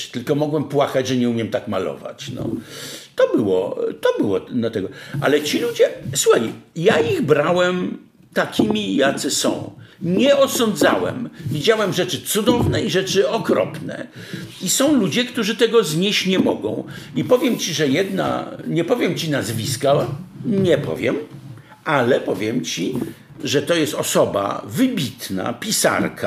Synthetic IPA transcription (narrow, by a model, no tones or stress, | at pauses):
t̪ɘlkɔmɔɡwɛmpwakad͡ʑʐɛɲɛumʲjɛmt̪akma̰lɔ̰va̰t͡ɕnɔ̰t̪ɔbɘwɔ̰t̪ɔbɘwɔd̪lat̪ɛɡɔʔa̰lɛt͡ɕilud͡ʑɛswuxajjaiɣbɾawɛm | t̪akʲʰimʲijat̪sɛsɔ̰̃w̃ɲɛɔsɔnd̪za̰wɛ̰mvʲid͡ʑawɛmʐɛt͡ʂɘt̪sud̪ɔvnɛiʐɛt͡ʂɘɔkɾɔ̰pnɛ̰ | isɔ̃w̃lud͡ʑɛkt̪uʐɘt̪ɛɡɔzɲeɕt͡ɕɲɛmɔɡɔ̰̃w̃ipɔvʲjɛmt͡ɕiʐɛjɛd̪na̰ɲɛpɔvʲjɛmt͡ɕinazvʲiskaɲɛpɔ̰vʲjɛ̰m | alɛpɔvʲjɛmt͡ɕi | ʐɛt̪ɔjɛst̪ɔsɔba̰vɘbʲit̪na̰pʲisa̰ɾkʰa